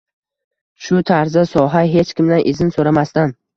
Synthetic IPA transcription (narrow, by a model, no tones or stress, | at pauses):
ʃʊt̪ʰaɾzasɒɦaɦe̞t͡ʃkʲɪmd̪anʔɪzɪnsoɾamast̪an